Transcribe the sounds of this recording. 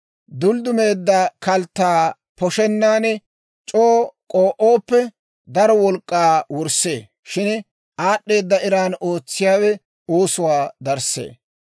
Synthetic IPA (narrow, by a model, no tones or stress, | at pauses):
d̪ʊld̪ʊmeːd̪ːɐkɐlt̪ːaː | pɔʃɛnːaːnɛ | t͡ʃʼoːkʼoːʔoːpːɛ | d̪ɐɾɔwɔlkʼːaːwɔɾse̞ː | ʃɪn | ʔaːɗːe̞ːd̪ːɐɪɾaːnoːt͡sːɪjaːwɛ | oːsʊwaːd̪ɐɾsḛː